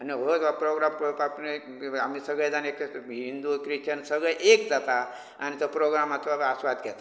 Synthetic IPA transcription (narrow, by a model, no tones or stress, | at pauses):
aniɦot̪ʋapɾoɡɾampopapne | amiːsəɡəjd͡zanekɦind̪ukɾit͡ʃənsəɡɭəjʔekd͡zat̪a | anit̪opɾoɡɾamat̪ʋaasʋad̪ɡʱɛt̪a